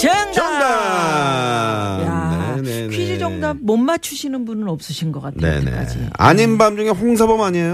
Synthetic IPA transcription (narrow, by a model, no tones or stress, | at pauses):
t͡ɕeŋt͡ɕʌŋda | nḛkʰid͡ʑid͡ʑʌŋdamʌnmat͡ɕʰuɕʰinɯnbunɯɾʌp̚s͈ɯɕʰinɡʌk͈atʰnḛe̞̰nḛd͡ʑḭa̰ɲinbamd͡ʑuŋe̞ɸoŋs̬ʰabʌmaɲiejo